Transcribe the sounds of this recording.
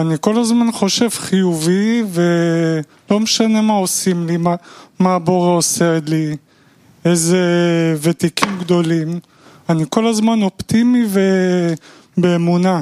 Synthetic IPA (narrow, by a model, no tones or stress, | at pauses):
aniko̞lazmanχo̞ʃe̞vχijuvive | lo̞meʃane̞mao̞simlimamaːbo̞ʁeoseli | ezevet̪ikimɡd̪o̞lim | aniko̞lazmano̞pt̪imive | beːmuna